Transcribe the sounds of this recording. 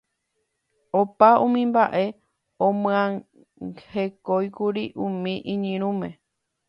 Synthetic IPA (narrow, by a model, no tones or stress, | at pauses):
opaũmĩmbaʔe̞ | õmɨ̃ã | he̞kojkuɾiʔũmĩʔĩɲĩɾ̃ũmẽ